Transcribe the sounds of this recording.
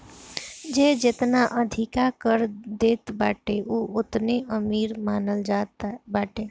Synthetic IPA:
d͡ʒed͡ʒet̪naʔəd̪ʱikakəɾd̪eːt̪baʈeʔuʊt̪neʔəmiːɾmaːnəld͡ʒaːt̪baːʈe

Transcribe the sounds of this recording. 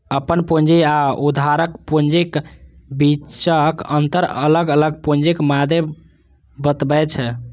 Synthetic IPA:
əpənpond͡ʒiaud̪ʱaɾəkpond͡ʒikbit͡ʃəkənt̪əɾə̰ləɡələɡ̚pond͡ʒikmad̪ʱe | bət̪bɛt͡ʃʰɛ

